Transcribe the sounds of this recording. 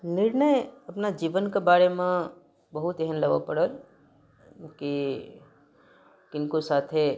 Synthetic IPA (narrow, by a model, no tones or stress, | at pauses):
nɪɾɳəjɐpnad͡ʒiːʋənkebaːɾemẽ | bɐɦʊt̪ɛɦənlɐɡa̰pɐɽəl | ki | kɪnkosaːt̪ʰe